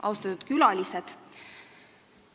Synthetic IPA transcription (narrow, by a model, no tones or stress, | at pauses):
ʔɑ̰wst̪ɑt̪ːud̪̥kylɑlʲised̪̥